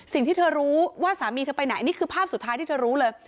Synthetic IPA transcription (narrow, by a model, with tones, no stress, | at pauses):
si˨˩ŋt̪ʰiː˥˩ɤː˧ɾuː˦˥waː˥˩saː˩˦miː˧pa˧jna˩˦jʔniː˦˥kʰɯː˧pʰaː˥˩p̚su˨t̪ʰːaː˦˥jt̪ʰiː˥˩t̪ʰə˧ɾuː˦˥lɤː˧j